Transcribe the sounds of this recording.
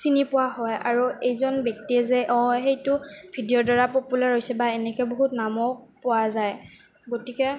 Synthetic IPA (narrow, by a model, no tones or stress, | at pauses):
sinipʊwaɦɔja̰ɹuejzɔnbjɔk̚tiɛzɛʔɔxejtʊbʱidijɔdɔɹapopulaɹɦojsɛbaɛnɛkɛboɦutnamɔpʊazaj | ɡotikɛ